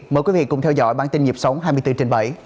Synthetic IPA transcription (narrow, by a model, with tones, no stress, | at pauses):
məː˨˩jkwi˨˦vḭ˧˨kʊ̰˨˧˩ŋ͡mt̪ʰɛ˧wzɔ̰˧˥˨jɓaː˧˩nt̪i˧nɲi˨˩əp̚sə˨˦wŋ͡mɦaː˧jmɨ˧jt̪ɨ˧t͡ɕe˧nɓə˧˩j